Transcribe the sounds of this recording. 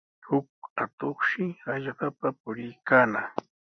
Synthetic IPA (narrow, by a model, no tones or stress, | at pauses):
hʊk̚at̪oχʃɪaʎɢɑpapʊɾɪjkaːna